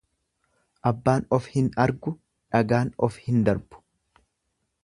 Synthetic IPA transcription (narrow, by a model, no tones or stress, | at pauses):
ʔɐbːaːnɔfhɪnɐɾɡʊ | ᶑɐɡaːnɔfhɪnd̪ɐɾb̥ʊ̥